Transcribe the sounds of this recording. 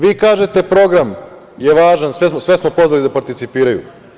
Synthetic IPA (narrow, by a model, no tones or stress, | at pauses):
ʋiːkaːʒe̞t̪e̞pɾo̞ɡɾam | jeʋaːʒansʋesmosʋesmo̞po̞zʋalid̪apaɾt̪it̪sipiːɾajṵ